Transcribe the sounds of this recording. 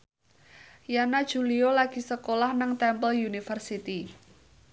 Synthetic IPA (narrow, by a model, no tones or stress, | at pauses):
janad̥ʒ̥ṳliolaɡ̥i̤səkolahnaŋt̪ɛmpəljunifərsit̪i